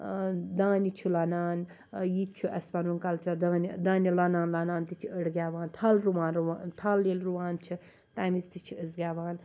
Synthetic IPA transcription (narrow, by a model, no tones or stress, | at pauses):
d̪aːnit͡ʃʰulanaːn | jit͡ʃʰuʔɐspɐnunkɐlt͡ʃʰad̪aːnʲid̪aːnilanaːnlanaːnt̪it͡ʃʰiʔəɽɡʲaːʋaːnt̪ʰaːlɾuʋaːnɾuaːnt̪ʰalːeːlɾuʋaːnt͡ʃʰi | t̪aːmist̪it͡ʃʰiəzɡʲaːʋaːn